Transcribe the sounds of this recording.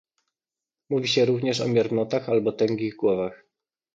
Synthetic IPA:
muvʲiɕɛɾuvɲɛʂɔ̰mʲjɛɾnɔt̪axalbɔt̪ɛŋɡʲiɣɡwɔvax

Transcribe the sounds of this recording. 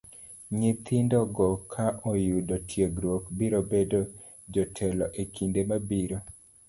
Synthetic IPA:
ɲit̪indɔɡɔkʰaʔɔjudɔtʰjeɡɾwokbiɾobedo | d͡ʒɔtʰɛlɔʔekʰindemabiɾo

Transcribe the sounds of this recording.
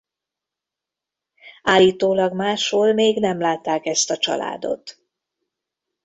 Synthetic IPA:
aːlːiːt̪oːlɒɡmaːʃhoːlmeːɡnɛmlaːt̪ːaːkɛst̪ɒt͡ʃɒ̰la̰ːd̪o̞̰t̪

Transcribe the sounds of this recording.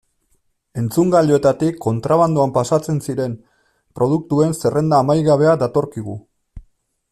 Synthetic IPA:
e̞nt͡suŋɡaʎo̞e̞t̪at̪ikʰːo̞nt̪ɾaβand̪uampasat͡se̞nsiɾe̞m | pɾo̞ð̞uk̚t̪ue̞nse̞rʔe̞nd̪aːmajɣaβe̞ad̪at̪o̞ɾkiɣu

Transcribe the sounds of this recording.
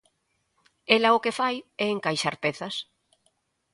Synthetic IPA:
elɐʊkefajɛeŋkajʃaɾpeθɐs

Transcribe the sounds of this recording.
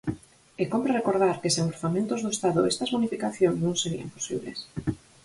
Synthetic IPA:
ekompɾarekoɾð̞aɾkeseŋoɾθamẽnt̪ozðoest̪aðoest̪azβunifikaθjoŋznũŋseɾia̰mposḭβlḛs

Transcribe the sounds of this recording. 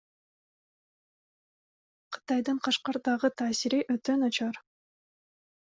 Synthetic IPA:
qʰɯ̥t̪ɑjd̪ɯɴqʰɑʃqɑɾd̪ɑʁɯt̪ʰaːsiɾiʔøt̪ønɑt͡ʃɑɾ

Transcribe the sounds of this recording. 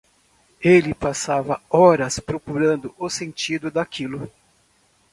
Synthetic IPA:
elɪpasavɐɔɾɐspɾokuɾɐ̃nd̪ʊʔʊsẽnt͡ʃid̪ʊd̪akʰilʊ

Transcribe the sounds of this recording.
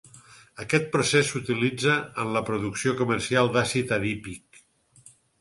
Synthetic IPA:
əkɛt̪̚pɾusesut̪ilid͡zəənləpɾuðuksiokuməɾsialˠd̪asit̪əðipik

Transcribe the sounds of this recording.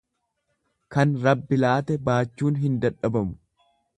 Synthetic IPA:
kɐnɾɐbːɪlaːt̪ɛbaːt͡ʃːuːnɦɪnd̪ɐᶑɐbɐmʊ̥

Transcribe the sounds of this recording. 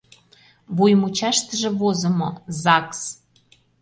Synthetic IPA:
βujmut͡ɕɑʃt̪ə̆ʒĕβozə̆mozɑks

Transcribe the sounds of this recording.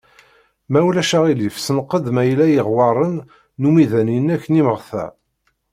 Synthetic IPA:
mæwlæʃæʁilifsənqːəd̪mæjlæjəʁwɑɾˤənː | umiðæninːækːəniməʁθæ̰

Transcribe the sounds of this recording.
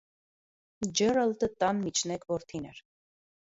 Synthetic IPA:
d͡ʒɛɾəlt̪ət̪ɑnmit͡ʃʰnɛkvɔɾt̪ʰinɛɾ

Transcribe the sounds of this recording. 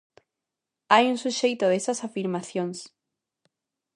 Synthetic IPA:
ajuŋsuʃejt̪oðesasafiɾmaθjoŋs

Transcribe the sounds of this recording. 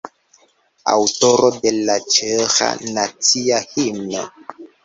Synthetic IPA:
a̰wtoɾodelat͡ʃɛxa̰nat͡siahimna

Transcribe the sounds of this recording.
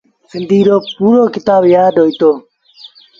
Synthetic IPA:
sind̪iɾopuɾokit̪aːbjaːdojt̪o

